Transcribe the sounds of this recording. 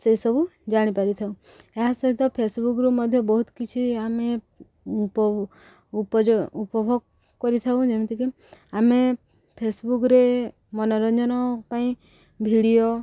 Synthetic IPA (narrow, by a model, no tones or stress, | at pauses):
seɦisɔbud͡ʒaɽ̃ipaɾit̪ʰaũ | eɦasɔɦit̪ɔpʰesbukɾumɔd̪ʱjɔbɔɦut̪kit͡ʃʰiame | p | upd͡ʒupɔbʱoɡ̚ | kɔɾit̪ʰaũd͡ʒemt̪ʰiki | ame | pʰesbukɾe | mɔnɔɾɔnd͡ʒɔnɔpaĩ | bʱiɽijo